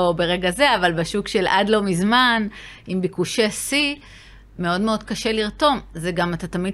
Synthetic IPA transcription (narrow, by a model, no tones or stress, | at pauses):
obe̞ʁe̞ɡaze̞avalbaʃukʃe̞lʔa̰d̪lo̞mizmanimbikuʃesi | me̞o̞dme̞o̞d̚kaʃe̞liʁto̞mzeɡamat̪at̪amid̚